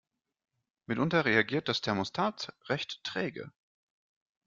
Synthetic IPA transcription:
mɪtʔʊntɐʁeaɡiːɐt̚d̥astʰɛɐmostʰaːt͡sʁɛçttʁ̥ɛːɡə̰

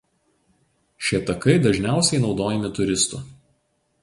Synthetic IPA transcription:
ʃʲet̪ɐkɐɪd̪ɐʒʲnʲæˑʊsʲɛɪnɒʊd̪oːjɛmʲɪt̪ʊɾʲɪst̪ʊ̰ˑ

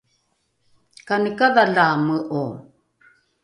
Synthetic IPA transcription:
kanəkavaɮaməʔo

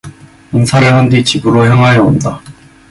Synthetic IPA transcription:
ɯnsʰaɾɯɭhandit͡ɕibɯɾoçjaŋɦwajʌonda

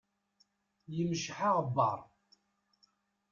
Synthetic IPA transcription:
jəmʃħaʁbːɑ̰ɾˤ

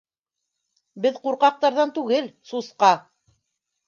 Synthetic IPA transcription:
bɘðquɾqɑq̚t̪ɑɾðɑnt̪ʉɡɘlsusqɑ

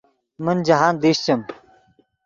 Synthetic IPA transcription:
mənd͡ʑɐɦaːnd̪iɕt͡ɕɐm

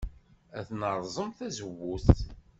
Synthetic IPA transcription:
æθnəɾˤzˤəmθæzəwːuθt̪

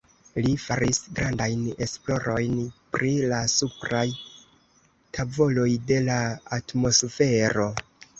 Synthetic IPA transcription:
lifaɾisɡɾandajne̞̰splo̞ɾo̞jnpɾilasupɾaj | tavo̞lo̞jde̞laatmo̞sfe̞ɾo̞

